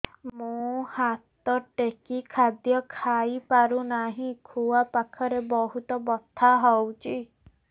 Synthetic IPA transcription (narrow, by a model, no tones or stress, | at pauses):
mũhat̪ɔʈekikʰad̪jɔkʰaipaɾunaɦĩkʰuwapakʰɔɾebɔɦut̪ɔbɔt̪ʰːaɦɔwt͡ʃʰi